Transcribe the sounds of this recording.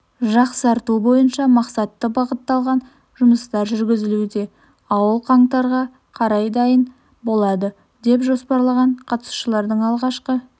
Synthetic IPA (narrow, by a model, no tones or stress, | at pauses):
ʒɑqsəɑɾt̪ubo̞jənʃɑmɑqsɑt̪ːəbɑʁət̪ːɑlˠʁɑn | ʒʊməst̪ɑɾʒʏɾɡʲɪzɪlud̪e̞ | ɑwəlˠqʰɑɴt̪ɑɾʁɑ | qʰɑɾɑjd̪ɑjən | bo̞lˠɑd̪ə | d̪e̞pʒo̞spɑɾlˠɑʁɑɴqʰɑt̪ə̥su̥ʃəlˠɑɾd̪əɴɑlˠʁɑʃqə